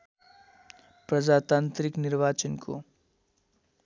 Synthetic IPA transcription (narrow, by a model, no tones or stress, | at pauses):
pɾɐd͡ʒaːt̪ãːnt̪ɾɪknɪɾʋaːt͡ʃənkʰo̰